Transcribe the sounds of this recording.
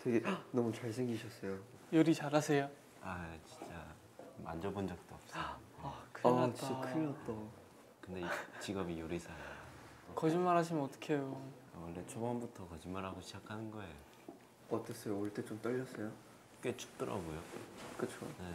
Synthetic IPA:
tʰweɡenʌmut͡ɕaɭs̬ʰeŋɡiɕʰʌs͈ʌjojoɾit͡ɕaɾasʰejo | at͡ɕi̥nt͡ɕ͈a | ma̰nd͡ʑʌbond͡ʑʌk̚t͈oʌp̚s͈ʌjakʰɯʌt͡ɕtiokʰɯmiʌt̚t͈ʌ | kɯnde̞it͡ɕiɡʌbijoɾisʰae | kʌd͡ʑimːaɾɦaɕ̬ʰimɯnʌt͈ʌ̥kʰejo | awʌɭːet͡ɕʰobʌnbutʰʌkʌd͡ʑimːaɾɦaɡoɕʰid͡ʑakʰanɯnɡʌejo | ʌt͈es͈ʌjooɭt͈et͡ɕomt͈ʌʎːʌs͈ʌjo | k͈et͡ɕʰu̥k̚t͈ɯɾʌ̰ɡojokɯt͡ɕʰone

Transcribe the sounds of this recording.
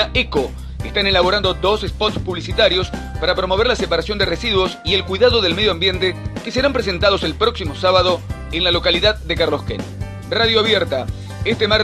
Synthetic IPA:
aeko | est̪ane̞laβo̞ɾand̪o̞d̪o̞sespot̪spuβlisit̪aɾjo̞s | paɾapɾo̞mo̞β̞eɾlasepaɾasjo̞nd̪eresiðwo̞sie̞lkwiðaðo̞ðelmeðjoambje̞nt̪ekeseɾampɾes̬e̞nt̪að̞o̞se̞lpɾo̞ksimo̞saβaðo̞ | enlalo̞kaliðaðːekaɾlo̞skḛn | raðjoaβjeɾt̪a | est̪emaɾ

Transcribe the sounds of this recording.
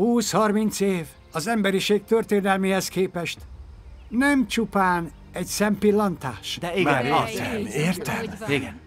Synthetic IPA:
huːshɒrmint̪seːv | ɒzɛmbɛɾiʃeːk̚t̪ørt̪eːnɛlmeːhɛskeːpɛʃt̪ | nɛmt͡ʃupaːn | ɛɟsɛmpilːɒnt̪aːʃd̪ɛi | eːrt̪ɛiɡɛn

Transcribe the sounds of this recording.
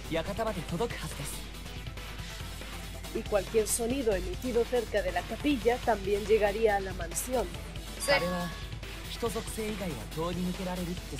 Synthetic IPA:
jakat̪amad̪e̞t̪o̞d̪o̞kɯ̟̥hazɨd̪esɨ̥ | ikwalkje̞ɾso̞niðo̞e̞mit̪iðo̞θe̞ɾkaðe̞lakapiʎat̪ambje̞nd͡ʒe̞ɣaɾiaːlamãnsjo̞n | ssoɾe̞βa | çi̥t̪o̞zo̞kɯ̥se̞ːiɡaiβa̰d̪o̞ːɲinɯke̞ɾaɾe̞ɾɯ̥e

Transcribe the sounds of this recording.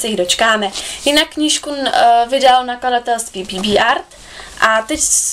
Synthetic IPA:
sɛjɪdo̞t͡ʃkaːmɛjɪnakːɲiːʃkuvɪdalnakladat̪ɛlst̪vibibiːʔaɾt̪ | ʔat̪ɛc

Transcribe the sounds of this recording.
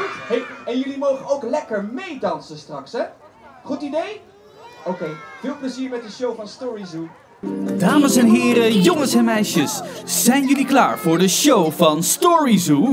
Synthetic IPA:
ɦejɛnjɵlimowχənowklɛkəɹmejdɑnsəstrɑksɦɛ | χutidej | owkejv̥ɪːlˠpləziːɹmɛt̚dəʃowvɑnstɔɹizu | d̥aːməsɛnɦɪːɾəjoŋənsɛnmɛjʃəsz̥ɛjnjɵlikla̰ːɹv̥ʊːɹdəʃowvɑnstɔɹizu

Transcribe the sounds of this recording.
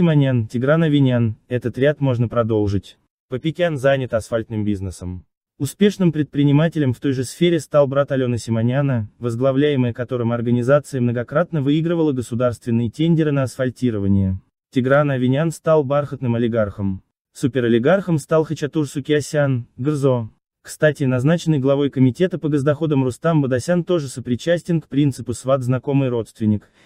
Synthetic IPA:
sʲɪmɐnʲantʲɪɡɾanɐvʲɪnʲanɛt̪ət̪ɾʲat̪mo̞ʐnəpɾɐd̪o̞lˠʐɨtʲ | pəpʲɪkʲanzanʲɪt̪ɐsfalʲt̪nɨmbʲiznɨsəm | ʊspʲe̞ʂnɨmpɾʲɪt̪̚pɾʲɪnʲɪmatʲɪlʲɪmft̪o̞jʐɨsfʲeɾʲɪst̪alˠbɾat̪ɐlʲo̞nəsʲɪmɐnʲanəvəzɡlˠɐvlʲæjɪməjəkɐt̪o̞ɾɨmɐrɡənʲɪzat̪sɨjəmnəɡɐkɾat̪nəvɨiɡɾɨvəlˠəɡəsʊd̪arst̪vʲɪnːɨjətʲenʲdʲɪɾɨnəɐsfɐlʲtʲiɾəvənʲɪjə | tʲɪɡɾanɐvʲɪnʲanst̪alˠbarxət̪nɨmɐlʲɪɡarxəm | supʲɪɾɐlʲɪɡarxəmst̪alˠxət͡ɕɐt̪ursʊkʲɪɐsʲanɡɨrzo̞ | kst̪atʲɪnɐznat͡ɕɪnːəjɡlˠɐvo̞jkəmʲɪtʲe̞t̪əpəɡəzd̪ɐxo̞d̪əmrʊst̪ambəd̪ɐsʲant̪o̞ʐɨsəpɾʲɪt͡ɕæsʲtʲɪnkpɾʲint̪sɨpʊsvad̪znɐko̞mɨjɾo̞t̪st̪vʲɪnʲːɪk

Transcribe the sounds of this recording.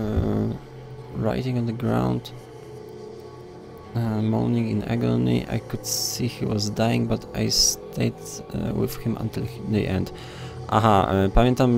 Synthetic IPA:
ɹa̰jtĩŋɔ̃nðəɡɹã̰wnd̪ | mɔ̰nĩŋĩna̰ɡɔnḭʔa̰jkʊd̪sihiwɔzdajĩŋɡbat̪ʰajst̪ʰeɪdwɪ̰ð̥hɪ̃mã̰nt̪ɪld̪ḭʔɛ̰̃nd̪ | ʔa̰ɦaɛpãmʲjɛ̃nt̪am

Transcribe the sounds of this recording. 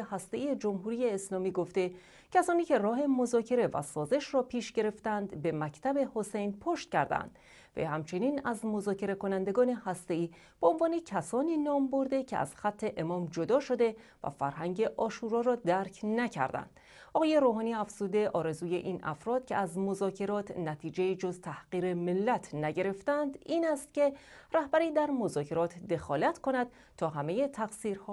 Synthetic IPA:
ehæst̪e̞ʔiːjed͡ʒo̞mɦuːɾiːjeːslɒːmiːɡo̞ft̪e̞ | cʰæsɒːniːcʰe̞rɒːɦe̞mozɒːcʰe̞ɾe̞væ̰sɒːze̞ʃrɒːpʰiːʃɟe̞ɾe̞ft̪ænd̪be̞mæct̪ʰæbe̞ho̞se̞jnpʰoʃt̪̚cʲæɾd̪æ̰nd̪̥ | vḛjhæmt͡ʃʰe̞niːnæzmo̞zɒːcʰe̞ɾe̞ko̞nænd̪e̞ɡɒːne̞hæst̪e̞iː | b̥eonvɒːne̞cʰæsɒːniːnɒːmbo̞ɾd̪e̞cʰe̞̰æ̰z̥xæt̪ʰːe̞ʔemɒːmd͡ʒo̞d̪ɒːʃo̞d̪e̞væ̰fæ̰ɾɦæŋɟe̞ʔɒːʃuːɾɒːɾɒːd̪æɾkʰnæcʰæ̰ɾd̪æ̰nd̪̥ | ɒɣɒːje̞ɾoːɦɒːniːæfz̥ud̪e̞ʔɒːɾe̞zuːje̞ʔiːnʔæ̰fɾɒːd̪̥̚cʰe̞̰æzmo̞zɒːcʰe̞ɾɒːt̪ʰnæt̪ʰiːd͡ʒe̞jiːd͡ʒo̞zt̪ʰæhɢ̥iːɾe̞me̞lːæt̪ʰnæɟe̞ɾe̞ft̪ænd̪iːnæst̪cʲe̞ræhbæɾiːd̪æɾmo̞zɒːcʰe̞ɾɒːt̪ʰd̪e̞xɒːlæt̪kʰo̞næd̪̥̚ | t̪ʰːɒːɦæme̞je̞t̪ʰæɡsiːɾhɒː

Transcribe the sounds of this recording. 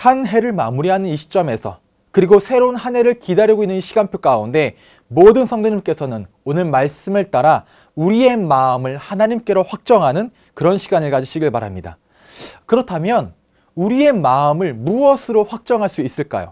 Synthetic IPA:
hanɦe̞ɾɯɭma̰muɾiɦanɯniɕʰi̥t͡ɕ͈ʌme̞sʰʌ̰ | kɯɾiɡosʰe̞ɾonhanɦe̞ɾɯɭkidaɾjʌɡoinːɯnɕʰiɡanpʰjok͈aunde̞ | modɯnsʰʌŋdoɲimk͈e̞sʰʌnɯn | onɯɭmaɭs͈ɯmeɭt͈aɾa | uɾie̞maɯmɯɭhanaɲimk͈e̞ɾoɸwak̚t͡ɕ͈ʌŋɦanɯn | kɯɾʌnɕʰiɡanɯɭkad͡ʑiɕʰiɡiɭpaɾɦa̰mɲida̰ | kɯɾʌtʰamjʌn | uɾie̞maɯmɯɭmuʌsʰɯɾoɸwak̚t͡ɕ͈ʌŋɦaɭs͈uis͈ɯɭk͈a̰jo̰

